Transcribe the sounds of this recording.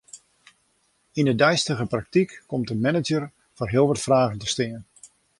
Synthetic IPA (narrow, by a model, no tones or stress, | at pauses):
ɪndədɛjstəɣəprɑk̚tikːɔmtənmɛnəd͡ʒər | voːrɦɪːlˠʋɑtfraːχəntəstɪn